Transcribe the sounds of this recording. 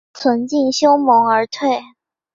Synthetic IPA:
t͡sʰwə˧˥nt͡ɕi˥˩nɕjo˥ʊmɤ˧˥ŋə˞˧˥t̪ʰwe˥˩ɪ

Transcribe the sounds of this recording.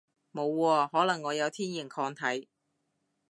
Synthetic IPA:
mo˨˧wːɔː˧hɔː˨˥lɐ˨˩ŋːɔː˨˧jɐ˨˧wt̪ʰiː˥nji˨˩ŋkʰɔː˧ŋt̪ʰɐ˨˥j

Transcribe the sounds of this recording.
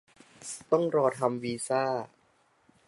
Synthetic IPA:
t̪ɔ˥˩ŋɾɔː˧t̪ʰa˧mwiː˧saː˥˩

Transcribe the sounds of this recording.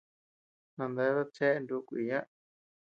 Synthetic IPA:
nã˧nd̪e˧˦ða˦t͡ʃe˦ʔnd̪u˦˧kʷi˧˨jã˦ʔ

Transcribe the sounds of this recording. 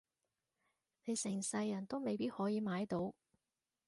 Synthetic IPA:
ne˨˧jsɪ˨˩ŋsɐ˧jːɐ˨˩nt̪o˥wme˨jpiː˥t̚hɔː˨˥jiː˨˧maː˨˥jt̪o˨˥w

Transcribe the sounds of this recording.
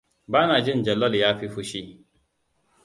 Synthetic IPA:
baː˦naː˨d͡ʒɪ˦nd͡ʒɐ˨lɔ˦ljaː˦ɸi˦ɸʊ˦ʃi˦

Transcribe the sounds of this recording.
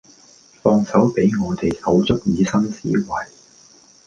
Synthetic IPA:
fɔː˧ŋsɐ˨˥wpe˨˥jŋɔː˨˧t̪e˨jhʰɐ˨˥wt͡sɵ˥k̚jiː˨˧sɐ˥ŋsḭː˨˥wɐ˨˩j

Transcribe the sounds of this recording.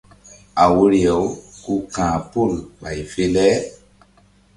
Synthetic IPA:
a˨wu˦ɾi˨ɛ˨wku˦kãː˨po˦˨lɓa˨jfe˧lɛ˦

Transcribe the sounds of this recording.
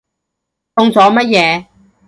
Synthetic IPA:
t̪ʊ˧ŋt͡sɔː˨˧˥mɐ˥t̚jɛː˨˧

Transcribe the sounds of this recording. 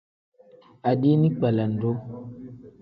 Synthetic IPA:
a˨di˦nĩ˦k͡pa˨la˨n̩˨do˦

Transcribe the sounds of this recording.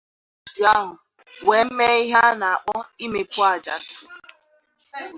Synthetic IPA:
di˨a˦ɦʊ˨ | we˨m̩˦me˦i˦ɦa˦na˨a˨k͡pɔ˦i˦me˨kʷʊ˦a˨d͡ʒa̰˨tʊ̥˨

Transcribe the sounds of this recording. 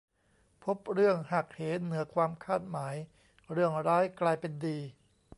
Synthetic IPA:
pʰo˦˥p̚ɾɯ˥˩əŋha˨˩k̚heː˩˦nɯ˩˦ɐkʰwaː˧mkʰaː˥˩t̪̚maː˩˦j | ɾɯ˥˩əŋɾaː˦˥jklaː˧jpe˧ndiː˧

